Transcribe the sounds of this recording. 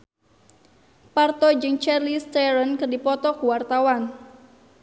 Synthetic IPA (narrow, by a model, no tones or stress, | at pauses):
part̪ɔd͡ʒɨŋt͡ʃɛrlist̪ɛɾənkərdipɔt̪ɔkuwart̪awan